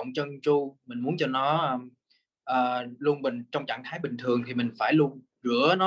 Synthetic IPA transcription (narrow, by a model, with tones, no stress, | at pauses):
wŋ͡mt͡ɕə˧nt͡ɕu˧mï˨˩ŋ̟mu˨˦ənt͡ɕɔ˧nɔ˨˦ʔəː˧ | ʔəː˨˩lu˧ənɓï˨˩ŋ̟t͡ɕɔ˧wŋ͡mt͡ɕa̰ː˧˨ŋt̪ʰaː˨˦jɓï˨˩ŋ̟t̪ʰɨ˨˩əŋt̪ʰi˨˩mï˨˩ŋ̟faː˧˩jlu˧ən | zɨ˧˩ənɔ˨˦